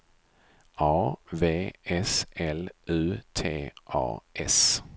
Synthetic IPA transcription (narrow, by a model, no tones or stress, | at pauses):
ɑːveːɛsɛlʉːt̪ʰeːʔɑ̰ːʔɛs